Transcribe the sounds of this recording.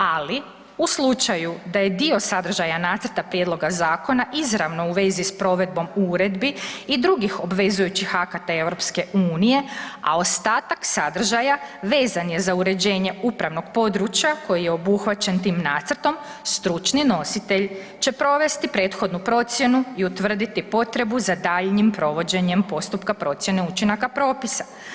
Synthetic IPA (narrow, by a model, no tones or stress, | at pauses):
ali | uslˠut͡ʃajud̪aje̞d̪io̞sad̪r̩ʒajanaːt̪srɾt̪apɾje̞d̪lˠo̞ɡazaːko̞naʔizɾaʋno̞uʋe̞zispɾo̞ʋe̞d̪̚bo̞muːɾe̞d̪biːd̪ɾuɡixo̞bʋe̞zujut͡ɕixakat̪ae̞ʋɾo̞pske̞ʔuːnije̞a̰o̞st̪aːt̪aksad̪r̩ʒajaʋe̞ːzanje̞zauɾe̞d͡ʑe̞ːɲe̞upɾaʋno̞ɡpo̞d̪ɾut͡ʃjako̞jijeo̞buxʋat͡ɕe̞nt̪iːmnat̪srt̪o̞m | st̪ɾut͡ʃnino̞sit̪e̞ʎ | t͡ɕe̞pɾo̞ʋe̞st̪ipɾe̞ːt̪xo̞d̪nupɾo̞t̪sje̞nuiut̪ʋr̩d̪it̪ipo̞t̪ɾe̞buzad̪aːʎɲimpɾo̞ʋo̞d͡ʑe̞ɲe̞mpo̞st̪upkapɾo̞t̪sjene̞ut͡ɕinakapɾo̞ːpisa